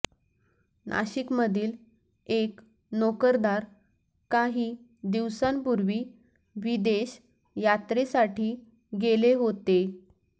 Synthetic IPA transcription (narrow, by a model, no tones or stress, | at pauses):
nʔa̰ɕikməd̪ʱiːl | ek | nokəɾd̪aɾ | kaɦiː | d̪iʋsampuɾʋiː | ʋid̪eɕ | jat̪ɾesaʈʰiː | ɡeleɦot̪e